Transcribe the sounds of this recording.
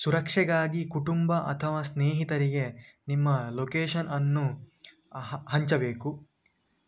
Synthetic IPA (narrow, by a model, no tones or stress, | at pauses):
suɾɐkʂɛɡaːɡikuʈumbɐʔɐ̰t̪ʰɐʋaːsneːɦit̪ɐɾiɡe̞nimːɐlokeːʃɐnɐnːu | ɦɐɲt͡ʃɐbe̞ːku